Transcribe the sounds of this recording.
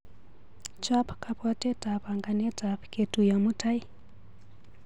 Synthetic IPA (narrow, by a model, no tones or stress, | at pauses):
t͡ʃapkapatɛtʼapaŋɡanetʼapketujamutʰai